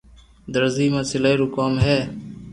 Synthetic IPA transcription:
d̪əɾziːmaːsɪlaiːɾuːkaːmɦeː

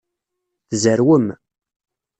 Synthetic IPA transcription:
θzəɾwəm

